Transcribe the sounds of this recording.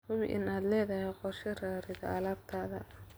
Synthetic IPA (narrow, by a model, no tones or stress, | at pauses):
hʊβḭʔɪnaːd̪lɛːðɐɦɛqɔrʃɛraːɾɪðɐɐlaːb̚t̪ʰaːðɐ